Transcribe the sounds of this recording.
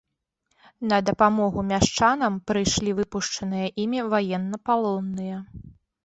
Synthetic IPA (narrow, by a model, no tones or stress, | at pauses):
nɐd̪ɐpamɔɣumʲaʂt͡ʂanɐmpɾɨjʂlʲivɨpuʂt͡ʂɐnɨjɐʔimʲivajɛnːɐpalˠɔnːɨjɐ